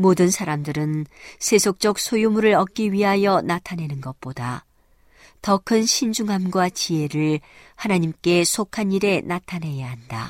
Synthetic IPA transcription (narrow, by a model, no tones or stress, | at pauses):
modɯnsʰaɾamdɯɾɯnsʰe̞sʰok̚t͡ɕ͈ʌk̚sʰojumuɾɯɾʌk̚k͈iɥiɦajʌnatʰanɦe̞nɯnɡʌt̚p͈oda | tʌkʰɯnɕʰind͡ʑuŋɦamɡwat͡ɕie̞ɾɯɭ | hanaɲimk͈e̞sʰokʰaɲiɾe̞natʰanɦe̞jaɦanda̰